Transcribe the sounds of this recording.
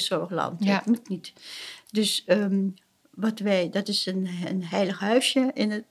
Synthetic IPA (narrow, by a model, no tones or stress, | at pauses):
sɔɹxlɑ̰nttmutnitdøsə | ʋɔtʋɛjdɔtɪsənənɦɛjləxhœɥsjəʔɪnə